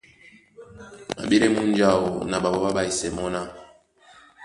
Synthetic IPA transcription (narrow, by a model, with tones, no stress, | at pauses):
ma̰˨ɓe˦ɾe˦mu˦n˦d͡ʒa˦o˨na˨ɓa˨bɔ˦ɓa˦ɓa˦i˨sɛ˨mɔ˦na˦